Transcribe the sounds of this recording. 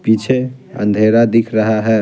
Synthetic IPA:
pit͡ʃʰeə̰̃nd̪ʱeɾad̪ikʰɾəɦaɦɛ

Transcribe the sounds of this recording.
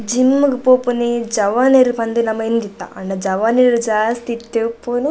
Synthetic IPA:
d͡ʒimːukupoːpunid͡ʒɐʋaːneɾupɐnd̪inɐmɐend̪it̪ːa̰ɐ̰ɳɖɐd͡ʒɐʋaːniɾud͡ʒaːst̪it̪ːepːonu

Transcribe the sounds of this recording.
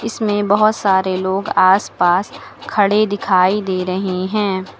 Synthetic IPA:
ɪsmẽbɐɦʊt̪saːɾeloːɡaːspaːs | kʰɐɽed̪ɪkʰaːid̪eːɾɐɦeɦɛ̃ː

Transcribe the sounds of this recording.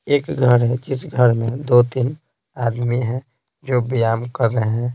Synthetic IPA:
eːkɡʱəɾɦɛ̃kɪsɡʱəɾmẽd̪ot̪in | aːd̪miɦɛ̃ | d͡ʒoːbijaːmkəɾːəɦeɦɛ̃

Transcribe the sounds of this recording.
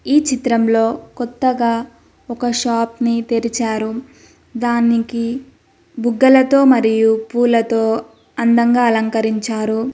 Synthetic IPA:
iːt͡ʃit̪ɾɐmlo̞ːkɔt̪ːɐɡaː | ɔkɐʃaːpnit̪eɾit͡ʃaːɾu | d̪aːniki | buɡːɐlɐt̪o̞ːmɐɾijupuːlɐt̪oː | ɐnd̪ɐŋɡaːɐlɐŋkɐɾiɲt͡ʃaːɾu

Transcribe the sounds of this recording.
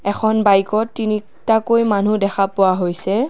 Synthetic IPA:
ɛkʰɔnbajkɔtːini | takojmanudɛxʰapʊwaɦojsɛ

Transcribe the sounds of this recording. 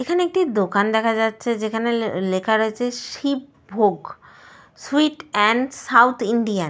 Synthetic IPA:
ekʰaneek̚ʈid̪okand̪ɛkʰad͡ʑatːɕʰed͡ʑekʰanelekʰaɾoet͡ɕʰeʃip̚ | bʱoɡ | suiʈɛɳsawt̪ʰiɳɖian

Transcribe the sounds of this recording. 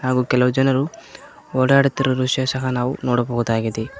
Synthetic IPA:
ɦaːɡuːkɛlɐʋud͡ʒɐnɐɾu | oːɽaːɽut̪ːɐɾuɾuʂjɐsɐɦɐnaːʋunɔːɽɐboɣud̪aːɡid̪e

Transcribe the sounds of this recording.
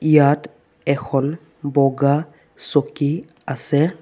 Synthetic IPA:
jat | ɛxɔl | bɔɡa | sɔki | asɛ

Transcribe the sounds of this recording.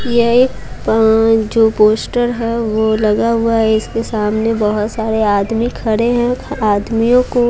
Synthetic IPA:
jeeːk | d͡ʒoːpoːsʈəɾɦɛʋolɐɡaɦʊaɦɛɪskesaːmnebɐɦʊt̪saːɾeaːd̪mikʰɐɾeɦɛ̃aːd̪mijõko

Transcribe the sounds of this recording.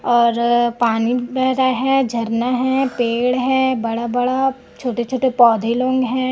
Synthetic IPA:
ɔːɾpaːnibɛɦɾaɦɛːd͡ʒʱɐɾnaɦɛːpeːɽɦɛ̃ːbɐɽabɐɽa | t͡ʃʰoːʈet͡ʃʰoːʈepɔːd̪ʱelõːŋɡɦɛ̃ː

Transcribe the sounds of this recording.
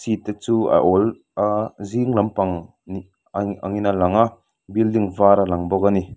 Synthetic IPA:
sit̪ːat͡sua̰ʔɔl | ziŋlampaŋ | ni | a̰ŋinalaŋa | bildiŋvaɾalaŋbɔkani

